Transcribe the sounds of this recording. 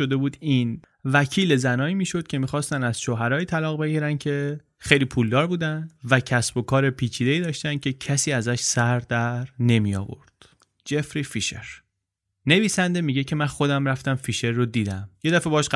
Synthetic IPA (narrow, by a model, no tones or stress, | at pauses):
od̪e̞buːd̪in | væcʰiːle̞zænɒːiːmiːʃo̞d̪̥̚cʰe̞miːxɒːst̪ænæz̥ʃoːɦæɾɒːjiːt̪ʰælɒːɣbe̞ɟiːɾæncʰe̞ | xe̞jliːpʰuːld̪ɒːɾbuːd̪ænd̪væcʰæsbo̞kʰɒːɾe̞pʰiːt͡ʃʰiːd̪e̞iːd̪ɒːʃt̪æn̥̚cʲʰe̞cʰæsiːæzæʃsæɾd̪æɾne̞mijɒ̰ːvo̞̰ɾd̪̥ | d͡ʒe̞fɾifiʃḛɾ | ne̞viːsænd̪e̞miːɟecʰe̞mænxo̞d̪æmɾæft̪æmfiʃe̞ɾːod̪iːd̪æmje̞d̪æfebɒːʃ